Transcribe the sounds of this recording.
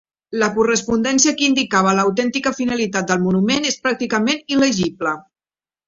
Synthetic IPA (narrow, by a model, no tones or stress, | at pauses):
ləkurəspund̪ɛnsiəkind̪ikaβ̞ələːwt̪ɛnt̪ikəfinəlit̪at̪̚d̪əlˠmunumenespɾak̚t̪ikəmeniləʒiblə